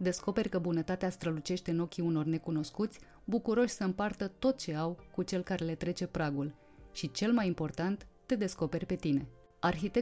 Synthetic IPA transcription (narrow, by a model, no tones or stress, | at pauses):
d̪e̞sko̞pe̞rʲkəbunət̪at̪east̪ɾəlut͡ʃe̞ʃt̪e̞ɨno̞kʲiuno̞rne̞kuno̞skut̪sʲ | bukuɾo̞ʃʲsəɨmpart̪ət̪o̞t̪̚t͡ʃe̞awkut͡ʃe̞lkaɾe̞le̞t̪ɾe̞t͡ʃe̞pɾaɡul | ʃit͡ʃe̞lmajimpo̞rt̪ant̪ːe̞d̪e̞sko̞pe̞rʲpe̞t̪ine̞ | arxit̪e̞